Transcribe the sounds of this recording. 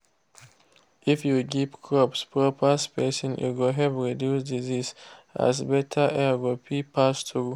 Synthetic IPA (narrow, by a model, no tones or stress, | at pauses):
ʔifjuɡipkʰɹɔpspɹɔpʰaspɛsɔ̃njṵɡoɦɛlpɹidjusdizisa̰sbɛtʰaʔɛɡopʰipʰastu